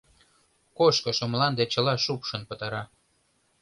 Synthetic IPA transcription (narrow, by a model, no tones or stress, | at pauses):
koʃkɤ̆ʃŏmlɑnd̪et͡ɕə̆lɑʃupʃə̆npə̆t̪ɑɾɑ